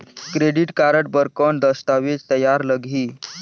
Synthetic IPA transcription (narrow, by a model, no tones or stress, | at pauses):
kɾeɽiʈkaɾəʈ̚bəɾkɔɳd̪əst̪aʋet͡st̪əjaɾləɡʱiː